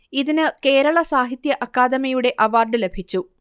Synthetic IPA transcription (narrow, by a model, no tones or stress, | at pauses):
iðinɨke̞ːɾɐɭɐsaːɦit̪jɐʔɐkːaːd̪ɐmɐjuɽe̞ʔɐʋaːrɖɨle̞bʱit͡ɕːu